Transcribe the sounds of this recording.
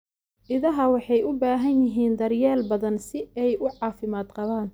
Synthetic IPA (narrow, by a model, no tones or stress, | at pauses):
ʔɪðɐɦɐwɑħɑjʊbaːɦɐnjɪɦiːnd̪ɐrjɛːlbɐðɐnsɪɛjʊʕɑːfɪmaːd̪qɑβaːn